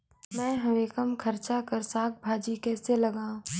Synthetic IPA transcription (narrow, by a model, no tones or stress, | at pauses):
mɛ̃ːɦɐɾeːkəmkʰɐɾt͡ʃakɐɾsaːk̚bʱaːd͡ʒikɛːselɐɡãːũ